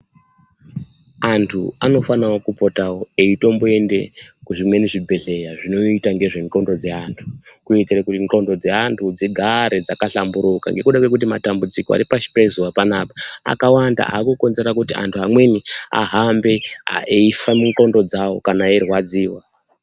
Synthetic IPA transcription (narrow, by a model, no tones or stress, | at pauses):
antʰṵano̞fanawokupo̞tawo̞eito̞mboe̞nde̞̰kuʐimwe̞niʐibʱe̞ɮe̞jaʐino̞itaŋɡe̞ʐe̞ŋǃo̞ndo̞d͡ze̞antʰu̥kuetirakutiŋǃo̞ndo̞d͡zeantʰud͡zeɡʱaɾed͡zakaɬambuɾuka̰ŋɡe̞kuɗakwe̞k̬ut̬imatambud͡zikoa̰ɾipaʃi̥pezuwapanaːpḁa̰kawanda̰ʔa̰ːkuko̞nze̞ɾakutiʔa̰ntʰuɦamwe̞nia̰ɦambe̞a̰eifamuŋǃo̞ndo̞d͡zawo̞̰kanaerwad͡ziːwa